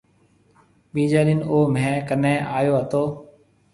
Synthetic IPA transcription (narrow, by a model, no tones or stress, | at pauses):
ɓiːd͡ʒaːɗinoːmẽːkənẽːʔaːjoːɦət̪oː